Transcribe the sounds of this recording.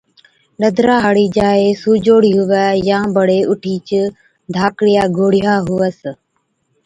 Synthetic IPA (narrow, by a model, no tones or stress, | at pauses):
ɗəd̪ʱɾaːɦɽiːd͡ʒaːeːsuːd͡ʒoːɽiːɦʊʋɛːjãːbəɽeːʊʈʰiːt͡ʃ | d̪ʱaːkɽɪjaːɡʱoːɽɪjaːɦʊʋəs